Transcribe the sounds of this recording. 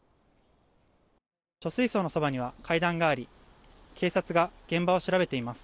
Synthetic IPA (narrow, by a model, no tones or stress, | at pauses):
t͡ɕo̞sɨiso̞ːnoso̞baɲ̟iβ̞akʰaid̪ãŋɡaːɾʲi | kʰe̞ːsat͡sɨɡaɡ̥ẽ̞mbao̞ɕiɾabe̞t̪eimasɨ̥